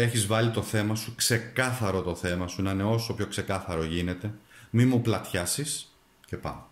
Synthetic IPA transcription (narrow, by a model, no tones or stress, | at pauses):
e̞çizvɐlit̪o̞θe̞mɐsukse̞kɐθɐɾo̞t̪o̞θe̞mɐsunɐne̞o̞so̞pço̞kse̞kɐθɐɾo̞ʝine̞t̪e̞mimuplɐt̪çɐsis | ce̞pɐ̰m